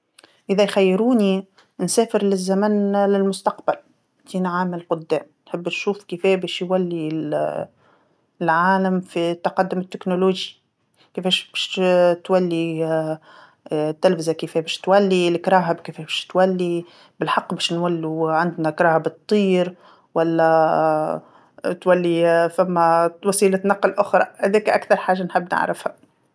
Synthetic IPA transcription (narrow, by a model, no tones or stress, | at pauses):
ʔɪðɛjxæjːɾuːni | nsɛːfɪɾlɪzːæmænlɪlmʊst̪ɑqbal | t̪iːnʕaːmɪllqʊd̪ːɛːmnħɪbːnʃuːfkifɛːbɛːʃjwælːi | lʕaːlamfit̪ːɑqɑd̪ːʊmɪt̪ːɪknʊluːʒi | kifɛːʃbɛʃt̪wælːi | t̪ːɪlfzakɪfɛːbæːʃt̪wælːilkɾˤɑːɦabkɪfɛːʃbæʃt̪wælːi | bɪlħɑqːbæːʃnwalːuʕand̪nakɾˤɑːhɪbɨt̪ˤːiːɾ | walːæ | t̪walːifamːæwɑsˤiːlat̪nɑqːlʔʊxɾˤɑhæd̪ɛːkʔa̰kθɑɾˤħaːʒːanħɪbːnɪ̰ʕɾɪ̰fha